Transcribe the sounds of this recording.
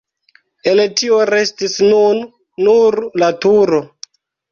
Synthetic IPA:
eltio̞ɾe̞stisnunː | uɾlatuɾo̞

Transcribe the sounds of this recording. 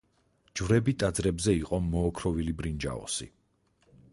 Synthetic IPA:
d͡ʒvɾɛbit̪ʼad̪zɾɛbzɛiqʼɔmɔːkʰɾɔvilibɾind͡ʒa̰ɔ̰sḭ

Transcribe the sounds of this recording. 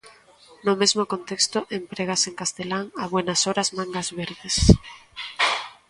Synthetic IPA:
nʊmezmokont̪ekst̪ʊʔempɾeɣ̞aseŋkast̪elaŋaβwenasoɾazmaŋɡazβeɾðes

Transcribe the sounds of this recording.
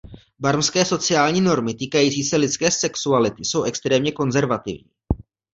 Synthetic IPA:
baɾmskɛːso̞t͡sɪaːlɲiːno̞ɾmɪt̪iːkajiːt͡siːsɛlɪt͡skɛːsɛksualɪt̪ɪso̞wʔɛkst̪ɾɛːmɲɛko̞nzɛɾvat̪ɪ̰vɲḭː

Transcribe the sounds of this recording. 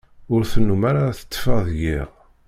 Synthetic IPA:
ʊɾθənːumaɾaθə̥t̪ːfəðʝiʁ

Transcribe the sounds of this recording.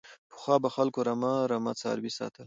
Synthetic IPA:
pə̥xwɑːbaxalkoɾamaɾamat͡sɑ̰ɾwisɑ̰ːt̪əl

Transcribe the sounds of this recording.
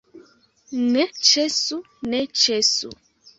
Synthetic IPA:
net͡ʃesu | net͡ʃesṵ

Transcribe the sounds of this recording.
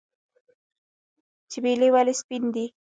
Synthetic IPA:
t͡ʃɪbeliwalispind̪i

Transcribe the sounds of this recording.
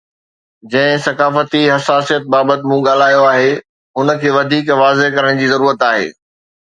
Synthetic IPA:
d͡ʑɐ̃ɦɪ̃sɐkaːfət̪iɦɐsaːsijət̪̚baːbət̪ɪ̆mũɠaːl̤aːjoaːɦeː | ɦʊnə̆kʰeːʋɐd̪ʱiːkʋaːzeɦkɐɾəɽ̃d͡ʑiːzɐɾuːɾət̪aːɦḛː

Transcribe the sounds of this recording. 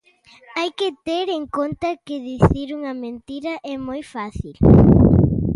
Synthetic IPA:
ajkɪt̪eɾeŋkont̪ɐkɪðiθiɾuŋɐmẽnt̪iɾɐʔɛmojfaθil

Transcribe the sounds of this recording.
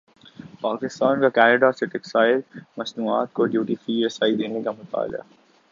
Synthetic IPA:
paːkɪst̪aːnkakɛːnəɖasɪʈɪksaːɪlmɐsnuːa̰ːt̪̚koɖjuːʈifiːɾɐsaːid̪eːnekamʊt̪a̰ːl̰a̰ː

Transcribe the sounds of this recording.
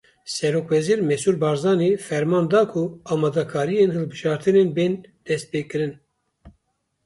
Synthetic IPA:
sɛɾoːkvɛziːɾmɛsuːlbɑːɾzɑːnefɛɾmɑːnd̪ɑːkʰuɑːmɑːd̪ɛkʰɑːɾijenhɨlbɨʒɑːɾt̪ɨnenbeːnd̪̥ɛst̪̚peːkɨɾɨn

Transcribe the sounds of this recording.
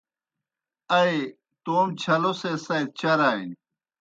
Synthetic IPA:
ɐe | t̪oːmt͡ɕʰɐlosesɐjd̪̚t͡ɕɐɾaːḭn

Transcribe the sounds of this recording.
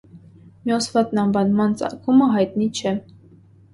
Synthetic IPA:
mjɔsvɑt̪nɑnvɑnmɑnt͡sɑ̰kʰuməɦɑjt̪nit͡ʃʰɛ

